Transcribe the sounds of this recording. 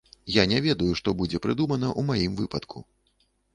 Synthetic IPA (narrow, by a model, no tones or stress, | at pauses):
janʲɛvʲɛd̪ɐjuʂt̪ɔbud͡zʲɛpɾɨd̪umɐn̪ɐʔumajimvɨpɐt̪kʰu